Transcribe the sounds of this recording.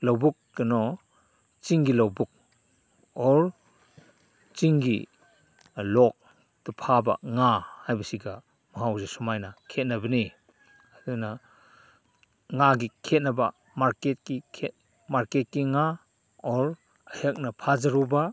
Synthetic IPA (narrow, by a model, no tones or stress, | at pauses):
lowbuk̚ːɯnɔ | t͡ʃiŋɡilowbuk̚ | ɔɾ | t͡ʃiŋɡḭ | lɔk̚ | təpʰaba̰ŋahajbɐsiɡa | maɦawzesɔmajnakʰet̚nabəni | aduna | ŋaɡikʰet̚naba̰ | maɾket̚kikʰet̚ | maɾket̚kiŋa | ɔɾ | ahak̚napʰazaɾuba